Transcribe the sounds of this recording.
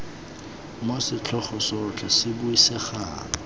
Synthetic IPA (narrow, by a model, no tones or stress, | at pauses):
mosɪt͡ɬʰɔχɔsɔt͡ɬʰasɪbuisɛχa̰ːŋɔ